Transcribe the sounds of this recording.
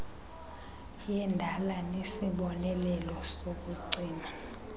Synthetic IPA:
jɛndʱalanesiɓɔnɛlɛlɔsok̬ʼuǀiːna

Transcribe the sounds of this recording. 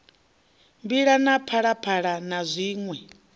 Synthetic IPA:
mbiɺanapʰaɺapʰaɺanazʷiːŋwɛ

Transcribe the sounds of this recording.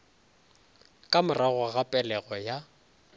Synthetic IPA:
kʼamʊraɣʊɣapʼɛlɛɣɔja

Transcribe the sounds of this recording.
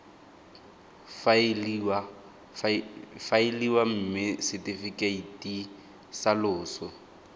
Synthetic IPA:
f | faɪliwam̩mɪsɛtifikʼeitʼi | salʊːsɔ

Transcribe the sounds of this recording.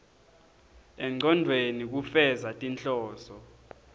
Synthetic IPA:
ɛŋ͡ǀʱɔndʱwenik̬ufɛzatʼint͡ɬʼɔːsɔ

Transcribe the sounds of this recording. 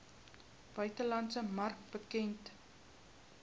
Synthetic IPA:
b̥œɥtəlɐntsəmɐrk̚bəkɛnt

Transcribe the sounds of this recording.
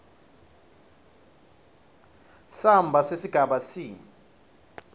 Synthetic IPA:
sambʱasesiɡ̥ʱaɓasiː

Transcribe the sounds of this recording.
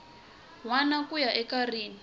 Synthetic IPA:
wanakujaʔɛkariːni

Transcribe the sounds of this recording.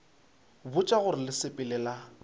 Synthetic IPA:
bʊt͡ʃʼaɣʊɾɪlɪsɪpʼɪlɛːla

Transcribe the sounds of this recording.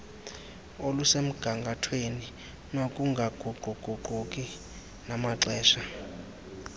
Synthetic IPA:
olusem̩ɡ̥ʱaŋɡʱatʰweni | nokʼuŋɡʱaɡ̥ʱuɡ͡ǃ̥ʱuɡ͡ǃ̥ʱuɡ͡ǃʱukʼi | namaǀɛːʃa

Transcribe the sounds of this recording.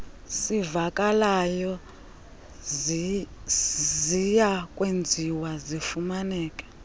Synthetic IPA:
sivakʼalajɔ | zijakʼwend͡zʱiwazifumanɛːkʼɛ̥

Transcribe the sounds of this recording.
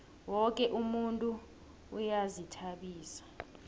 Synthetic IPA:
wɔkʼɛʔumuntʼuː | jazitʰaɓiːsḁ

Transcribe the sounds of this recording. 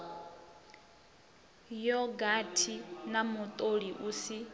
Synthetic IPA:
jɔɡatʰinamut̪ʼoɺiʔusi

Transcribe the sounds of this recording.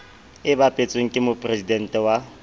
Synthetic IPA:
ɪbapʼet͡sʼweŋ̩kʼɪmʊpʼrezidɛn̩tʼɛwa

